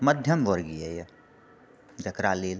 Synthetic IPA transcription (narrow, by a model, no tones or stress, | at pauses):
mɐd̪ʱjɐmʋoɾɡieje | d͡ʒɐkɾaleːl